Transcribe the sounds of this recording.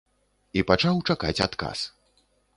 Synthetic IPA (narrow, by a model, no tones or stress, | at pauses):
ipat͡ʂawt͡ʂakat͡sʲa̰t̪ka̰s